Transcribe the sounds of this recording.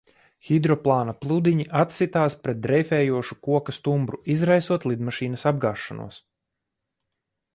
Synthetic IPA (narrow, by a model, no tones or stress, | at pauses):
xʲid̪ɾɔplˠaːnaplˠud̪iɲiʔat̪sit̪aːspɾɛt̪̚d̪ɾɛjfɛːjuɔʃu̥kuɔkast̪umbɾuizɾajsuɔt̪lˠid̪maʃiːnɐsab̚ɡaːʃːanṵɔs